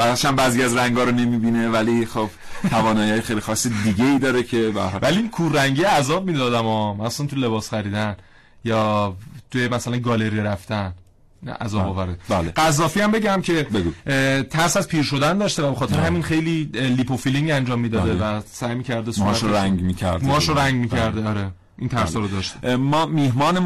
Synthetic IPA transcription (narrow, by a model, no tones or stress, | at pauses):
bæʃæmbæziæzɾæŋɡɒːɾone̞miːbinevælixob̥ | t̪ʰævɒːnɒːjihɒːjexejlixɒːsːid̪iɟeiːd̪ɒːɾecʰebææ̰ɾɒlvælikʰurːæŋɟijeæzɒːb̚miːd̪ɒːd̪æmɒːmæssænt̪ʰujle̞bɒːsχæɾiːd̪æn | jɒːt̪ʰujemæsælænɡɒːle̞ɾijeɾæft̪æn | ʔæ̰zɒːbɒːvæɾebleɢæzːɒːfiːæmbe̞ɟæmcʰe̞beɡut̪ʰæɾsæzpʰiːɾʃo̞d̪ænd̪ɒːʃt̪e̞væbexɒt̪ʰeɾeɦæminxe̞jliːlipʰofiliŋɡænd͡ʒɒːmːiːd̪ɒːd̪evæsæːjmiːcʰæɾd̪esuɾæŋmiːcʰæɾd̪mːʃoɾæŋɡmiːcʰæɾd̪eɒɾe | ʔint̪ʰæɾshɒːɾod̪ɒːʃt̪emɒːmihmɒːne